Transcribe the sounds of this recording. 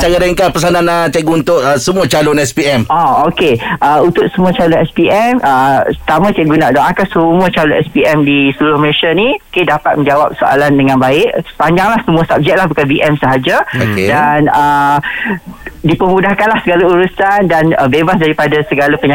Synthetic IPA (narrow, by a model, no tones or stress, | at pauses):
t͡ʃaɡaɾaiŋkapəsanãnat͡ʃɛɡuunt̪ʊʔəsəmũat͡ʃalʊnɛspiɛmɔokeəunt̪ʊkʔ̚səmũat͡ʃalʊnɛspiʔɛmət̪amãt͡ʃɛɡunaʔdɔakasəmũət͡ʃalʊnɛ̰spiɛmdisəlulʊhmeʃaniokedapat̪̚mə̃ɲd͡ʒawap̚soa̰landəŋãnbaɪʔsə̥paɲd͡ʒaŋlahsəmũəsap̚d͡ʒɛk̚lahbukanbiʔɛmsəɦad͡ʒaokedanə | dipəmũdahkanlahsəɡalauɾusandanəbebas̬daɾipadasəɡalapəɲã